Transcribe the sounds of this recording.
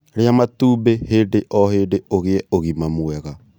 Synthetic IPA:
ɾeamatuːbeheːdeʔɔheːndeoɣeɛoɣimamwɛɣa

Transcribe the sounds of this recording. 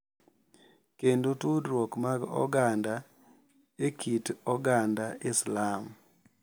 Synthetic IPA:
kendotudɾwokmaɡɔ̰ɡanda | ekʰitɔɡandaɪslam

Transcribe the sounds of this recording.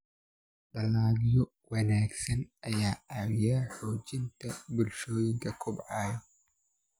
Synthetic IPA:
ɖɐlaːɣjɔ | wɑnaːɡsɐnʔɐjaːʔaːwɪjaːħɔːt͡ʃɪnt̪ʰɐbʊlʃɔːjɪŋkʰɐkʰʊbʕɑːjɔ

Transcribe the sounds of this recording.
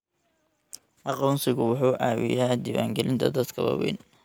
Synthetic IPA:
ʔɑqɔnsɪɣʊwʊħuːʔaːwɪ̰jaːd̪iːwa̰ːŋɡɛlɪnt̪ʰɐd̪ɐd̪kʰɐwɑ̰wɛ̰ːn

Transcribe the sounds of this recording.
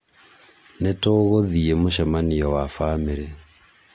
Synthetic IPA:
netoɣoðiemoʃamanijɔwafameɾe

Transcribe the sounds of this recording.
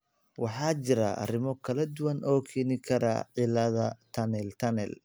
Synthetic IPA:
wɑħɑːt͡ʃɪɾɐɐ̰rɪmɔkʰɐlɐd̪ʊwɐnʔɔːkʰɛːnɪkʰɐɾɐ̰ʕɪlɐðɐt̪ʰɐnɛlt̪ʰɐnɛl

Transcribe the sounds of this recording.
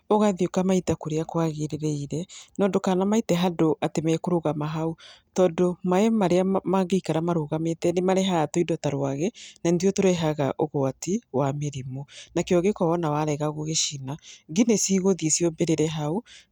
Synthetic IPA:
oɣaðiokamaitakoɾeakwaɣeɾeɾɛiɾɛnɔdokanamaitɛɦadoʔatemɛɛkoɾoɣamaɦautɔːdomaɛmaɾeamaɡeikaɾamaɾoɣametɛnemaɾeɦatoidɔtaɾwaɣɛnandiotoɾeɦaɣa̰ʔoɣoatiwameɾimonakeɔɣekɔɔnawaɾɛɣaɣoɣeʃinaɡinesiːɣoðiesiɔbeɾeɾɛɦau

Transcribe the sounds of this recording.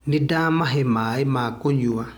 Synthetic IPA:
nidaːmaɦɛmaːimaːkoɲua

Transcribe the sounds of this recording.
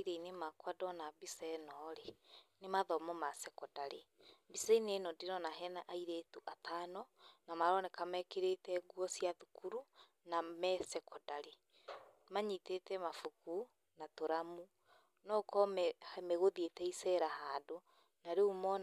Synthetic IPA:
iɾeinemakwadɔnabisɛnɔɾenemaðɔmɔmasɛkɔdaɾebisɛinenɔdeɾɔnaɦɛnaʔaiɾetuʔataːnɔnamaɾɔnɛkamɛkeɾetɛɡwɔsiaðukuɾu | namɛsɛkɔdaɾe | maɲitetɛmafuku | natoɾamu | nɔkɔɛmeɣoðietɛisɛɾahaːdo | naɾeumɔ

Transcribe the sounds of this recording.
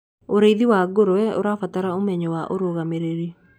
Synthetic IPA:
oɾeiðiwaɡoɾowɛo̰ɾafataɾaomɛɲɔwaʔoɾoɣameɾeɾi

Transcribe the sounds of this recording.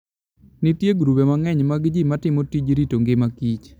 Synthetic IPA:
nɪtjeɡɾupemaŋɛɲmaɡd͡ʒimatɪmotid͡ʒɾitoŋɡɪmakit͡ʃ

